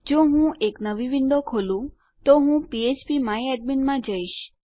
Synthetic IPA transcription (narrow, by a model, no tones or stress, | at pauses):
d͡ʒoɦũʔeknəʋiʋinɖ̪okʰolũ | t̪oɦũpiet͡ʃpimaiɛɖ̚minmãd͡ʒəiʃ